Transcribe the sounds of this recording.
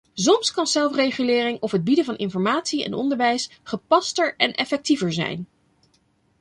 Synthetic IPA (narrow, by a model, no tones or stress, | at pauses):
zɔmskɑnzɛlˠfrejχylɪːrɪŋɔfɦəd̚bidəvɑnɪnfɔɹmaːtsiɛ̰nɔ̰ndəɹʋɛjsχəpɑstəɹɛnʔɛfɛk̚tivəɹzɛ̰jn